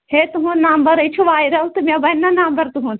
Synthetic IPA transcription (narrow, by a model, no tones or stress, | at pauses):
het̪uɦũnɐmbɐɾɐt͡ʃʰuʋaːiɾɐut̪umʲɐbɐnːɐnɐmbɐɾt̪uɦũ